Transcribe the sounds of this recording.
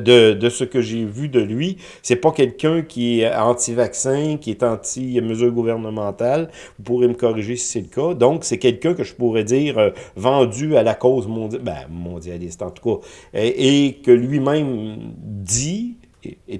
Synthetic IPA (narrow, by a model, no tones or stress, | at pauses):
d̪əd̪əsəkəʒevyd̪əlɥi | sɛpʌkʲɛlkʲœ̃kʲiɛɑ̃t̪ivaksɛ̃kʲiɛt̪ɑ̃ːt̪iməzyːʁɡuvɛʁnəmɑ̃t̪al | vupuʁeməkɔʁiʒesi̥sɛləkad̪ɔ̃ksɛkʲɛlkʲœ̃kəʒəpuʁɛd̪iːʁøvɑ̃d͡z̪yalakɔːzmɔ̃bɛ̰̃mɔ̃d̪jalɪst̪ɑ̃t̪u̥kaʔekəlɥimɛ̃m | d̪i